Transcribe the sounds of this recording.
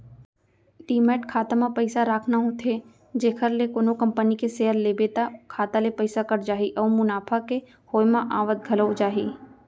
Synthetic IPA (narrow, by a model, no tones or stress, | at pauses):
ʈiːmɛːʈkʰaːt̪amãpɐɪsaɾaːkʰnaɦũt̪ʰe | d͡ʒeːkʰəɾlekoːnokɐ̃mpənikeseːɦəɾlebeːt̪akʰaːt̪alepɐɪsakɐɾd͡ʒaːɦiʔɔːmʊnaːpʰake | hoːjmãʔaːʋət̪̚ɡʱɐləd͡ʒaːɦiː